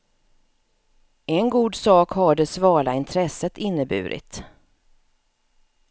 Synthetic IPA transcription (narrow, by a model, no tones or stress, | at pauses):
ɛnɡuːd̪sɑːkhaɖɛsvɑːɭaɪnt̪ʰɾɛsət̪ɪnːəbʉ̟ːɾʔɪ̰t̪